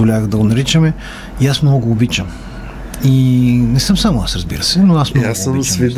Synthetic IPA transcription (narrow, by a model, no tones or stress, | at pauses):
olʲavɣd̪ɐɡonɐɾit͡ʃəmɛ | iasmnɔɡoːbit͡ʃəm | inɛsɤmsamʊasɾɐzbḭɾəsɛnoasmnɔsəmsvid̪